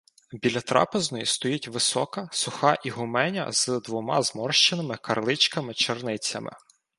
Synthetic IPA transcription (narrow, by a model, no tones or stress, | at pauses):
bʲilʲɐt̪ɾɑ̰peznɔjist̪ɔjitʲʋɪsɔkɐsʊxɑʔiɦʊmɛnʲɐ̰zd̪ʋɔmɑzmɔrʃt͡ʃɪnɪmɪkɐrlˠɪt͡ʃkɐmɪt͡ʃernɪt͡sʲɐ̰mɪ̰